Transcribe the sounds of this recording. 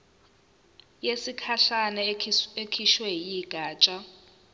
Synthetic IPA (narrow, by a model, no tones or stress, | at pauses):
jesikʰaɬanɛekʰiʃwɛjiɡ̥ʱaːt͡ʃʼa